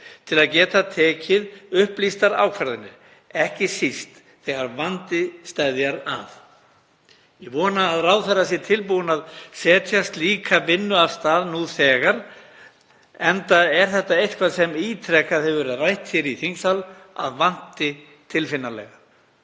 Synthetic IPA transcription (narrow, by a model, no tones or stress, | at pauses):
t̪ʰɪlaðcɛːt̪at̪ʰɛːcɪðʏhplist̪aɾa̰ːwkʰvaɾðɪnːɪ̰ɾ̥ | ɛhcɪsist̪ | θɛɣaɾvant̪ɪst̪ajðjaɾa̰θ | jɛvɔːnaːðraːwθɛɾasjɛɾt̪ʰɪlpuwɪnaðsɛːt̪ʰjast̪liːkʰavɪnːʏavst̪aːðnuθɛːɣaɾ | ɛnt̪aɛɾ̥θɛht̪aejt̪kʰvasɛmiːt̪ʰɾɛkaðhɛvvɛɾɪðrajht̪fjɛɾiθiŋsala̰ðvan̥t̪ɪ | t̪ʰɪlfɪnːalɛ̰ɣa